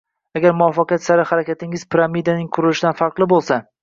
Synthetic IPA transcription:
aɡʲaɾmʊɒfɑqɨjat̪saɾɪhaɾakʲʰat̪ʰɪŋɪzpʰɪɾamid̪anɪŋkʰʊɾɪlɪʃɪd̪anfɑɾqlˠɪbolˠsa

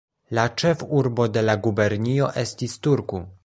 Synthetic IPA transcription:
lat͡ʃe̞fuɾbo̞de̞laɡube̞ɾnio̞ʔe̞stistuɾku

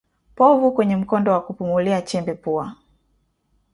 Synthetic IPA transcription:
pɔvukwɛɲɛm̩kɔndɔwakupumuliat͡ʃɛmbɛpua

